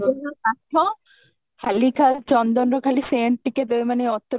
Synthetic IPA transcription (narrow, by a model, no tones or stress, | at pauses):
ɔsaʈʰːɔ̃ | halikʰalt͡ʃɔnd̪ɔnɾɔkʰaliseːɳʈ̚ʈːiket̪emaneɔt̪ːɾ